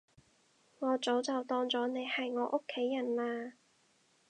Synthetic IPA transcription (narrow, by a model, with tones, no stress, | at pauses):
ŋɔː˨˧t͡so˨˥wt͡sɐ˨˩wt̪ɔː˧ŋt͡sɔː˨˥ne˨˧jhɐ˨jŋɔː˨˧˥ʔʊ˥kʰːe˨˥jːɐ˨˩nlaː˧